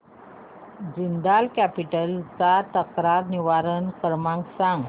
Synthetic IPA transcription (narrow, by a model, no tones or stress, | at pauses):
d͡ʑind̪alkæpiʈəlt͡sat̪əkɾaɾniʋaɾənkəɾmãŋksãŋɡ